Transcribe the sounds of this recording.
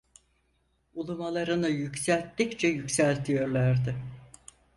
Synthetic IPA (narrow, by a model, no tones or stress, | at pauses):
ulˠumalˠaɾɯnɯjycsælʲt̪ːict͡ʃʰɛjycsælʲt̪ʰijø̞ɾlʲˠæɾd̪ɪ